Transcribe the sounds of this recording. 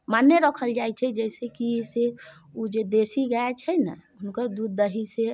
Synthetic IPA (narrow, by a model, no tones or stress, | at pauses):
manːeɾəkʰəld͡ʒajt͡ʃʰɛd͡ʒɛjsekise | ud͡ʒed̪esiɡaɛt͡ʃʰɛjnə̰ɦunkəɾd̪ud̪ːəɦise